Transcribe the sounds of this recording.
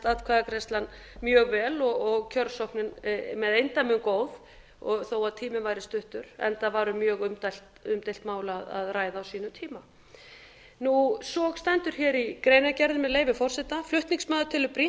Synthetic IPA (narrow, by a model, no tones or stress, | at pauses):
t̪aðkʰvaːðakɾɛst̪lan | mjœːɣvɛːlɔɣɔɣcʰœɾsowhknɪnmɛðejnt̪amʏnkoːwð̥ | ɔθowaðt̪ʰiːmɪvajɾɪst̪ʏht̪ʏɾ̥ɛ̰nt̪avaːɾʏmjœːɣʏmt̪alt̪ʏmt̪ejlt̪maːwlaða̰ðraːjðaːwsiːnʏt̪ʰiːma | nusɔɣst̪ɛnt̪ʏɾ̥çɛːɾikɾejnacɛɾðɪnmɛðleːjvɪfɔr̥sɛt̪aflʏht̪niŋsmœːðʏt̪ʰɪlʏpɾi